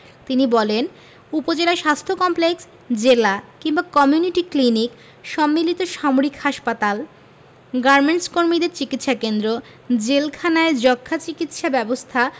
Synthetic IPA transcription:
t̪inibɔlen | upod͡ʑelaeʃast̪ʰokɔmpleks | d͡ʑelakiŋbakɔmjuniʈiklinik | ʃɔmːilit̪oʃamoɾikhaʃpat̪al | ɡaɾmeɳʈskoɾmid̪eɾt͡ɕikit̪ʃakend̪ɾo | d͡ʑelkʰanaed͡ʑɔkʰːat͡ɕikit̪ʃabɛbost̪ʰa

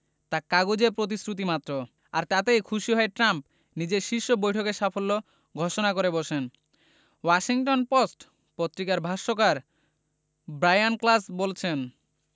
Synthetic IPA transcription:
t̪akaɡud͡ʑepɾot̪̬isɾut̪̬imat̪ːɾo | aɾt̪at̪ejkʰuʃiɦɔeʈɾamp | nid͡ʑeɾʃiʃːobojʈʰokeɾʃafolːo | ɡʱɔʃonakoɾeboʃen | waʃiŋʈonposʈ | pot̪ːɾikaɾbʱaʃokaɾ | bɾajanklasbolt͡ɕʰen

